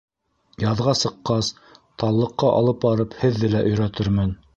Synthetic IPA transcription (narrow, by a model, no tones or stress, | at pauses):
jɑðʁɑsɤ̆qːɑs | t̪ɑlˠːɤ̆qːɑʔɑ̰lˠɤp̚bɑɾɤphɘ̆ðːɘlæʔɵ̆jɾæt̪ɘɾmɘn